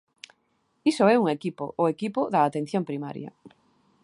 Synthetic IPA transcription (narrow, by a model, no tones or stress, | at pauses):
isoɛuŋekipo̰ʔoekipʊðɐːt̪en̟θjoŋpɾima̰ɾjɐ̰